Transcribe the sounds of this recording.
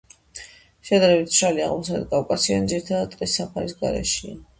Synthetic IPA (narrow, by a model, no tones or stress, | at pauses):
ʃɛd̪aɾɛbit̪ʃɾalia̰ʁmɔsad̪ɛt̪kʼavkʼasiand̪ziɾit̪ʰad̪ad̪ʼqʼisːapʰaɾisɡa̰ɾɛ̰ʃia̰